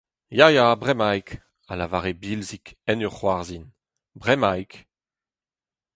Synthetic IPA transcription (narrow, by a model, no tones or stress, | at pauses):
jajabʁɛmajk | alavaʁebilzikɛnøʁχwaʁzin | bʁɛmajk